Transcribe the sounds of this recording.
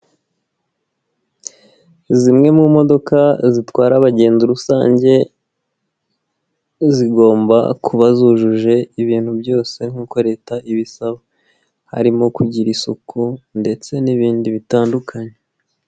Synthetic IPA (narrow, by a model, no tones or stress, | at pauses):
zimŋe̞mumo̞do̞kazitwaːɾaβaɟe̞ːnzuɾusaːɲɟe̞ | ziɡo̞ːmba̰kʰuβazuːʒuʒe̞iβiːn̥hubjo̞ːse̞ŋ̥huːko̞ɾe̞ːtaʔiβisaβa | ha̰ɾimo̞kuɟiɾisukʰunde̞t͡se̞niβiːndiβitaːndukʰaɲe